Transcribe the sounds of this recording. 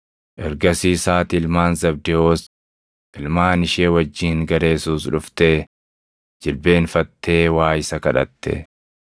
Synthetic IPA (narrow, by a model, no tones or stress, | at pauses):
ʔɛɾɡɐsiːsaːt̪ɪlmaːnzɐb̚d̪ɛoːs | ʔ̪ɪlmaːnɪʃeːwɐd͡ʒːiːŋɡɐɾe̞ːsuːsᶑʊft̪eː | d͡ʒɪlbe̞ːnfɐt̪ːe̞ːwaːjɪsɐkɐᶑɐ̰t̪ːɛ̰